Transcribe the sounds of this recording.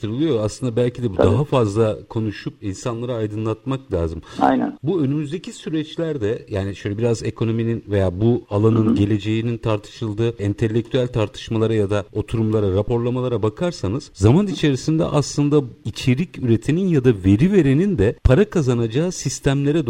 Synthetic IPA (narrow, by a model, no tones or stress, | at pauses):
ɯɾɯlˠɯjo̞aslˠɯnd̪abælʲcʰid̪ɛbud̪aɦafazlˠakʰo̞nuʃupinsanlˠaɾaːjd̪ɯnlˠat̪̚maklʲa̰ːzɯma̰jnæ̰nbuø̞nymyzd̪ecʰisyɾɛt͡ʃlʲæɾd̪ɛjaːniʃø̞jlʲɛbiɾaze̞kʰo̞no̞mininve̞jaːbualˠanɯnɟe̞lʲe̞d͡ʒe̞jinint̪ʰaɾt̪ʰɯ̥ʃɯlˠd̪ɯːint̪ʰe̞lʲːek̚t̪ʰyælʲt̪ʰaɾt̪ʰɯ̥ʃmalˠaɾajad̪ao̞t̪ʰuɾumlˠaɾaɾapʰo̞ɾlˠamalˠaɾabakʰaɾsanɯz̥zamanit͡ʃʰe̞ɾisind̪ɛ̰ʔaslˠɯnd̪ait͡ʃʰe̞ɾicyɾe̞t̪ʰininjad̪ave̞ɾive̞ɾenind̪ɛpʰaɾakʰazanad͡ʒaːsist̪ʰæmlʲe̞ɾɛd̪